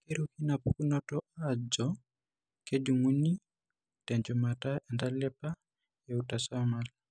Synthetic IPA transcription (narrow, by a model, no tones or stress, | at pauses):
keɾukinapukunɔtɔad͡ʒɔ | ked͡ʒuŋuni | tɛɲd͡ʒumataʔɛndalɛpa | jɛutasamal